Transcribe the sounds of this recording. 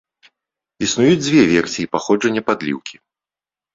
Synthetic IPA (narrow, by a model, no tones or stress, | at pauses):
isnujud͡zʲd͡zʲvʲɛvʲɛrsʲijipaxɔd͡ʐɐnʲːɐpad̪lʲḭwkʲi